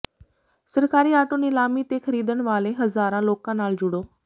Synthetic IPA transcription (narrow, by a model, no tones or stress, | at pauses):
səɾkaːɾiːaːʈoːnɪlaːmiːt̪eːkʰəɾiːd̪əɳʋaːleːɦəzaːɾãːloːkãːnaːld͡ʒʊɽoː